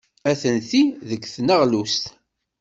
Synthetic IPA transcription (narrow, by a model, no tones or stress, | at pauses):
æθənθiðəkːθnəʁlust̪